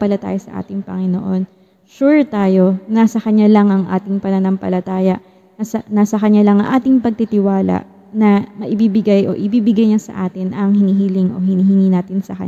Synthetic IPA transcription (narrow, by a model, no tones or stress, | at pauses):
pɐlɐt̪a̰ːjosɐ̰ʔa̰ːt̪ɪŋpɐ̰ŋɪno̞̰ʔo̞n | ʃuɹt̪aːjo̞nɐsɐkɐɲalɐŋʔɐŋʔa̰ːt̪ɪŋpɐnɐnɐmpɐ̰lɐt̪aːjɐʔ | nɐsɐnɐsɐkɐɲːalɐŋɐ̰ŋʔaːt̪ɪŋpɐɡ̚t̪it̪ɪwaːlɐ̰ʔ | nɐmɐʔɪbibɪɡajʔo̞̰ʔɪbiːbɪɡajɲasɐ̰ʔaːt̪ɪnʔɐŋhɪniɦiːlɪŋʔo̞̰hɪniːhɪŋiːnaːt̪ɪnsɐ̰kɐ̰ɲ